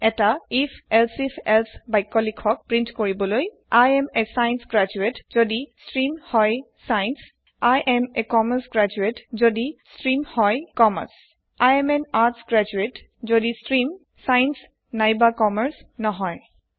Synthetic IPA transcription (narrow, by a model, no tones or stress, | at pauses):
ɛtaifʰɛlsifʰɛlsbajkːɔlikʰɔk̚pɹĩntkoɹibɔloj | ajɛmɛsajnsɡɹad͡ʒuetz̥odistɹimhɔj | sajns | ajʔɛmɛkɔmɛɹsɡɹad͡ʒuetzodistɹimhɔjkɔmɛ̰ɹs | ajɛmɛnatsɡɹad͡ʒuet | zodistɹim | sajns | najbakɔmɛɹsnɔɦɔj